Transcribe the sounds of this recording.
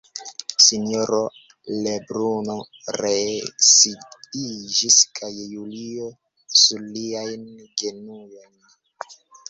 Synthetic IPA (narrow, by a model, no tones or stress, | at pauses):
sinioɾo | lebɾuno | ɾesiid͡ʒiskʰajːulio | suɾliajnɡe̞nujojn